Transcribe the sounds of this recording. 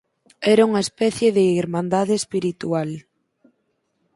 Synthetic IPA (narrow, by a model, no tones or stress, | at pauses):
ɛɾauŋɐespɛθjeðɪiɾmãnd̪aðeespiɾit̪ual